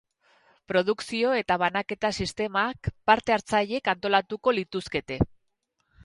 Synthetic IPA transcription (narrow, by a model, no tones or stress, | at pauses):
pɾo̞ð̞uksio̞e̞t̪aβ̞anake̞t̪asist̪e̞maːkpaɾt̪e̞aɾt͡saʎe̞kant̪o̞lat̪uko̞lit̪uske̞t̪e̞